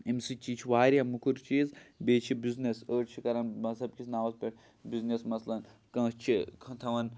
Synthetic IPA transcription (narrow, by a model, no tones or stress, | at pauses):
imʲsit͡ʃiːt͡ʃʰiʋaːɾʲɦɐmukʰuɾt͡ʃiːzbeːt͡ʃʰibiznesəːʈt͡ʃʰikɐɾɐnmɐzɐbkʲisʰʲnaːʋɐzpʲeʈ | biznesmɐslɐn | kɐ̃ːst͡ʃʰikʰɐ̃t̪ʰɐʋɐn